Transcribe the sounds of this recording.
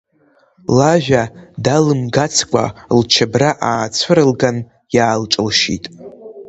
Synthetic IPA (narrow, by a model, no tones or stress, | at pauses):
laʒᶣadalɨmɡat͡sʰkʷʼa̰lt͡ʃʰabraʔaːt͡sʷʰɨɾɨlɡan | jaːlʈ͡ʂʼɨlʃḭtʼ